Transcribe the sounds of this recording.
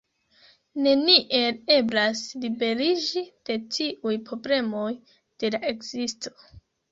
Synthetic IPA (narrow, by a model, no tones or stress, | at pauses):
ne̞niʔe̞le̞blaslibe̞ɾid͡ʒid̥e̞t͡ʃiʔujpɾo̞ble̞mo̞j | d̥e̞laʔe̞kz̥isto̞̥